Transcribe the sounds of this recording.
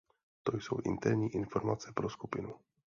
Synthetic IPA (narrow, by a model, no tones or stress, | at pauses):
t̪ojso̰wʔɪ̰nt̪ɛɾɲiːʔɪnfo̞ɾmat͡sɛpɾoskupɪnu